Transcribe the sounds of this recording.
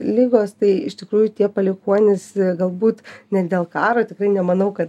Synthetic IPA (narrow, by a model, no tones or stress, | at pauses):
lʲɪɡoːst̪ɐɪɪʃʲt̪ʲɪkɾuːjʊt̪ʲiɛpɐlʲɪkuɔnʲɪsɡɐlˠbuːt̪nʲɛdʲeːlˠkɑːɾoːt̪ʲɪkrɐɪnʲɛmɐnɐʊkɐt̪